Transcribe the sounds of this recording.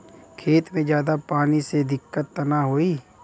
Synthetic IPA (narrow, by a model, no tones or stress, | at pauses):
kʰeːt̪mẽd͡ʒjaːd̪apaːnised̪ɪkːət̪ːənaɦoːiː